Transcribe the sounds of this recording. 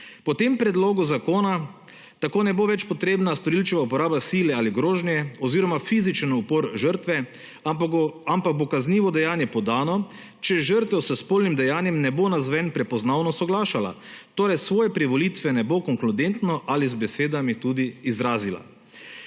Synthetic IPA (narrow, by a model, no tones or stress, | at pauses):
pɔt̪empɾɛd̪loːɡuzakoːna | t̪akoːnɛboʋɛt͡ʃpɔt̪ɾeːbnast̪ɔɾiːlt͡ʃɛʋaupɔɾaːbasiːlɛaːliɡɾoːʒnjɛɔziːɾɔmafiːzit͡ʃənupoːɾʒəɾt̪ʋɛ | ampak̚bokazniːʋɔd̪ɛjaːnjɛpɔd̪aːnɔ | t͡ʃɛʒəɾt̪ʋɛwsɛspoːlnimd̪ɛjaːnjɛmnɛbonazʋɛnpɾɛpɔznaːwnɔsɔɡlaːʃala̰t̪oːɾɛjsʋoːjɛpɾiʋɔlit̪ʋɛnɛbokɔŋklud̪ent̪nɔʔalizbɛseːd̪amit̪ud̪iːzɾaːzila̰